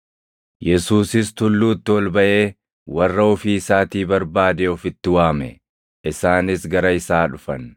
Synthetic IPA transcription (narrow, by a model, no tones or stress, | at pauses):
jɛsuːsɪst̪ʊlːuːt̪ːɪwɔlbɐʔe̞ː | wɐrːɐɔfiːɪsaːt̪iːbɐɾbaːd̪eːɔfɪt̪ːɪwaːmɛ̰ | ʔɪsaːnɪsɡɐɾɐɪsaːᶑʊfɐn